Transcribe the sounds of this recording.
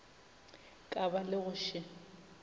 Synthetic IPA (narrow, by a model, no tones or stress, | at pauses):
kʼabalɪɣʊʃɪ